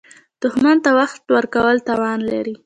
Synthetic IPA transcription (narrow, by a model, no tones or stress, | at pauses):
d̪̥ʊhmant̪awaxt̪wəɾkawəlt̪ɑwɑnla̰ɾi